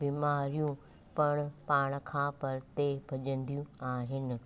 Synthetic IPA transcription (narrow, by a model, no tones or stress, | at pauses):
biːmaːɾijũ | pɐɽ̃paːɽ̃kʰãːpɐɾt̪ebʱɐʄə̃nd̪ijũaːɦɪnɪ̆